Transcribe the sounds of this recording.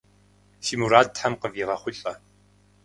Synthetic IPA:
ʃiːmuɾaːtħamqəviːʁɐχʷʊɬʼɐ

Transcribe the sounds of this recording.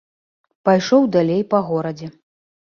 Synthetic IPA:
pajʂɔwd̪alʲejpɐɣɔɾɐd͡zʲɛ

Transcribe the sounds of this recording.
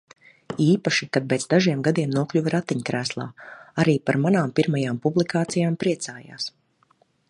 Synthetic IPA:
iːpaʃikad̪̚pɛːd̪zd̪aʒiɛmɡad̪iɛmnuɔkʎʲuvɾat̪ːiɲkɾæːslˠa̰ːaɾiːpaɾmanaːmpiɾmajaːmpublˠikaːt̪sijaːmpɾiɛt̪saːja̰ːs

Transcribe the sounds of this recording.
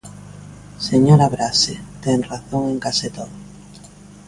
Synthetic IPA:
seɲoɾaβɾaset̪ɛŋraθoŋeŋkaset̪on

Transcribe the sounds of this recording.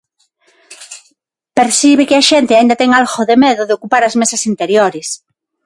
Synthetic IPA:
peɾsiβɪkɪɐʃent̪ɪaind̪ɐt̪ɛŋalɣoðemeðʊðeokupaɾɐzmesɐsint̪eɾjoɾɪs

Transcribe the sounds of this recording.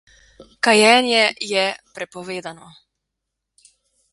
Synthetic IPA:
kajɛːnjɛjɛpɾɛpoʋɛːd̪ano

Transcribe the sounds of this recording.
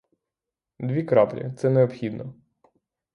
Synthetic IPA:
d̪ʋʲikɾɑplʲɐ̰t̪sɛneɔpxʲid̪nɔ

